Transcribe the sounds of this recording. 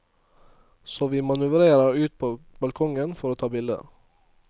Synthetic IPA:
soːʋiːmɑnʉʋɾeːɾəɾʉːt̪̚pʰoːbɑlkʰɔŋənfɔɾoːt̪ʰɑːbɪld̪ə̰

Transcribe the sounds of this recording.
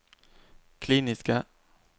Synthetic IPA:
kʰliːnɪska

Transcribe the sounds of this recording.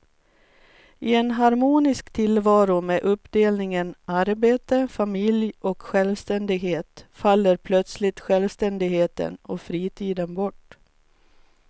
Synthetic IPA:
ʔɪɛnɦaɾmuːnɪskt̪ʰɪlvɑːɾʊmeːʔɵpːd̪eːlnɪŋənʔaɾbeːt̪əfamɪljɔkɧɛlvst̪ɛnd̪ɪɡɦeːt̪falːəɾpʰlœt̪slɪt̪ɧɛlvst̪ɛnd̪ɪɡheːt̪ə̰nɔfɾiːt̪ʰiːd̪ənbɔʈː

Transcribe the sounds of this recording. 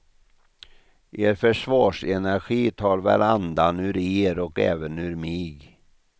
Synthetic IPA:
ʔeːɾfœʂvɑːʂɛnæɾɧiːt̪ʰɑːɾvæ̰ɾand̪anʉːɾeːɾɔkɛ̰ːvənʉ̟ːɾmɪɡ

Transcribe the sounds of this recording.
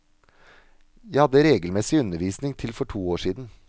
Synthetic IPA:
jæɪhɑd̪ːəɾeːɡəlmɛsɪʉnəɾʋiːsnɪŋt̪ʰɪlfɔʈʰuːoːʂiːd̪n̩

